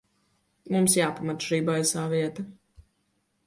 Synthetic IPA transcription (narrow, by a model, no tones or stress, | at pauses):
mumsjaːpamat̪ʃiːbajsaːviɛt̪ɐ